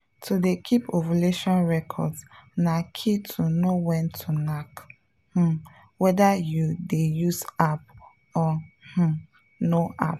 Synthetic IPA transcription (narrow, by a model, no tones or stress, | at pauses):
tʰudekʰipʰovəleʃɔ̃nɹɛkʰɔ̰dsnakʰitʰunowɛ̃ntʰunak | h̩ | wɛdajudejusap | ɔh̩ | noʔa̰p̚